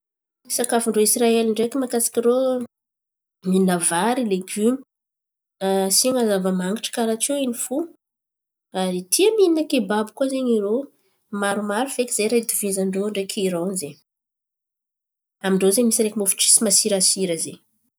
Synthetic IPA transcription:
isakafuɳɖ͡ʐoisraeliɳɖ͡ʐekimakasi̥kʲiɾo | miinavaɾileɡymi̥ | siŋazavəmaŋɡiʈ͡ʂə̥kaɾat͡ʃeinifu | aɾit̪ʰiəmininəkebabukuazeɲiɾo | maɾumaɾufekʲiz̥ejɾad̪uvizaɳɖ͡ʐoaɳɖ͡ʐekʰiɾownzeɲ | amiɳɖ͡ʐozemisiɾekʲimofi̥ʈ͡ʂi̥simasiɾasiɾəze

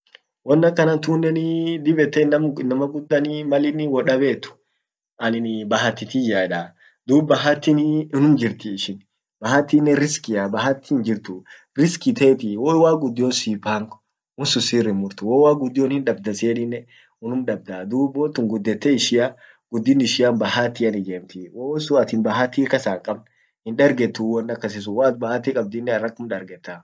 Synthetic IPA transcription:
wɔnːɐkːɐnɐnt̪uːnːɛnɪd̪ɪbɛt̪ːɛnɐmnɐmɐɡʊd̪ːɐnɪmɐlɪnɪwɔᶑɐbeːt̪ːʊ̥ | ʔɐnɪnbɐɦɐt̪ːɪt̪ɪjaːᶑa | d̪uːbɐɦɐt̪ːɪnʊnʊmd͡ʒɪɾt̪ɪːʃɪn | bɐɦɐt̪ːɪnːɛɾɪskɪɐbɐɦɐt̪ːɪnd͡ʒɪɾt̪ʊ | ɾɪskɪt̪eːt̪ɪwowaːɡʊd̪ːɪjosiːpaːŋk | wʊnsʊsirːɪmʊɾt̪ʊwoːwaːɡʊd̪ːɪjoːnhɪnᶑɐbd̪ɐseːᶑɪnːɛ | ʊnʊmᶑɐb̚d̪ad̪uːbɔnt̪ːʊŋɡʊd̪ːɛt̪ːɛɪʃɪja | ɡ̥ʊd̪ːɪnɪʃɪaːnbɐhaːt̪ːiːɐnɪd͡ʒeːmt̪ɪwoːsʊɐt̪ɪnbɐɦɐt̪ːiːkɐsaːkʼɐbn | hɪnᶑɐɾɡɛt̪ːuːwɔnːɐkːɐs̬ɪs̬ʊwaːt̪̚bɐhat̪ːiːkʼɐb̚d̪inːɛɐrːɐkːʊmᶑɐɾɡɛt̪ːa

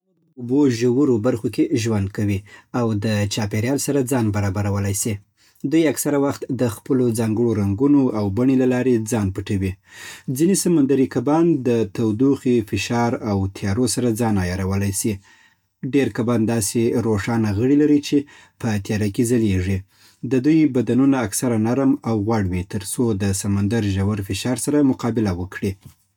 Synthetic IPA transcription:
uboʒawuɾobaɾxokeʒwand̪̚kawiawd̪ət͡ʃɑpeɾjɑlsaɾad͡zɑnbaɾɑbaɾawəlajsi | d̪ujaksaɾawaxt̪d̪əxpəlod͡zɑŋɡəɽoɾaŋɡunoawbaɳelalɑɾed͡zɑnpəʈawid͡zinesamand̪aɾikabɑnd̪ət̪awd̪uxifɪʃɑɾawt̪ʰijɑɾosaɾad͡zɑnɑjɑɾawəlajsi | ɖeɾkabɑnd̪ɑseɾoʂɑnaɣəɽilaɾit͡ʃe | pət̪jɑɾakezaleʐi | d̪əd̪ujbad̪anunaːksaɾanaɾmawɣwaɽwit̪əɾsod̪əsamand̪aɾʒawaɾfɪʃɑɾsaɾamʊqɑbɪlawəkɽi

